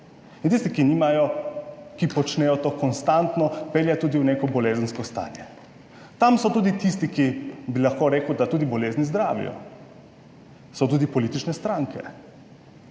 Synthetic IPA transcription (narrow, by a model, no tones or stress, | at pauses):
int̪ist̪ikiniːmajɔkipɔt͡ʃnɛjɔt̪oːkɔnst̪ant̪nɔpeljat̪uːd̪iwnekɔbɔleːzənskɔst̪a̰ːnjɛ | t̪amsɔt̪uːd̪it̪ist̪ikibilaxkoːɾeːkud̪at̪uːd̪ibɔleːznizd̪ɾaːʋḭjɔ̰ | sɔt̪uːd̪ipɔliːt̪it͡ʃnɛst̪ɾaŋkɛ̰